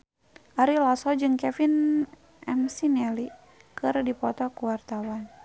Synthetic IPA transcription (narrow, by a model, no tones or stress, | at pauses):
ʔaɾilasɔd͡ʒɨŋkɛfin | ʔɛ̰msinɛli | kɨrdipɔt̪ɔkuwart̪awan